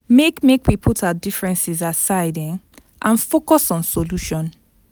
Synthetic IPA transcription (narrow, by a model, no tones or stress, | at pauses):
mekmekwipʰutʰadifɹɛ̃nsizasaɪdɛ̃n | ʔãnfokɔsɔ̃nsoluʃɔ̃n